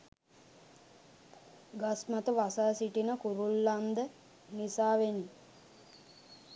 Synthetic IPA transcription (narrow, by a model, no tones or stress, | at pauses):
ɡasmat̪əʋasaːsiʈinəkuɾulːand̪ə | nisaːʋeni